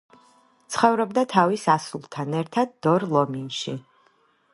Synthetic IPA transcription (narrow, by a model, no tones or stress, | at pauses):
t̪sʰχɔvɾɔbd̪at̪ʰavisasulˠt̪ʰanɛɾt̪ʰad̪̚ːɔɾlˠɔminʃi